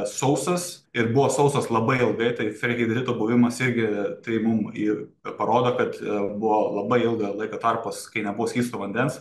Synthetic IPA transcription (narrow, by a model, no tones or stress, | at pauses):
sɐʊst̪ɐsɪɾbʊʋoːsɐʊst̪ɐslˠɐbɐɪɪlˠɡɐɪt̪ɐɪfʲɾʲɛkʲɛɪd̪ʲɾʲɪt̪oːbʊʋʲɪmɐsɪɾʲɡʲɪt̪ɐɪmʊmipɐɾoːd̪oːkɐt̪bʊʋolˠɐbɐɪɪlˠɡɐlˠɐɪkoːt̪ɐrpɐskɐɪnʲɛbʊʋoːsʲkʲiːst̪oːʋɐnʲd̪ʲɛns